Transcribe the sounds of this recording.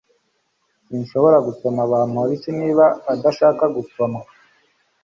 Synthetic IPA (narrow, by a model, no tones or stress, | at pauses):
sinʃo̞βo̞ɾaɡuso̞maβaːnuɾisiniːβaːdaʃaːkaɡusoma